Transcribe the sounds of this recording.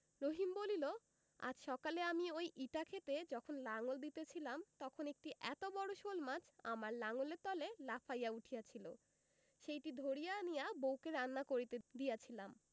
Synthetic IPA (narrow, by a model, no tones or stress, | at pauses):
ɾoɦimbolilo | a̰d͡ʑʃɔkaleamiojʔiʈakʰet̪ed͡ʑɔkʰonlaŋold̪it̪et͡ɕʰilamt̪ɔkʰonek̚ʈiʔɛt̪obɔɽoʃolmad͡ʑʰa̰maɾlaŋoleɾt̪ɔlelafʰajauʈʰijat͡ɕʰilo̰ | ʃejʈid̪ʱoɾijanijabowkeɾanːakoɾit̪ed̪ijat͡ɕʰilam